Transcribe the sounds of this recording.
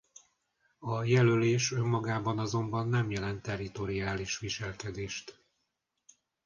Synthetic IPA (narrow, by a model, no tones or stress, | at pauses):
ɒjɛløleːʃømːɒɡaːbɒnɒzo̞mbɒnːɛmjɛlɛnt̪ːɛrit̪o̞ɾiaːliʃʋiʃɛlkɛd̪eːʃt̪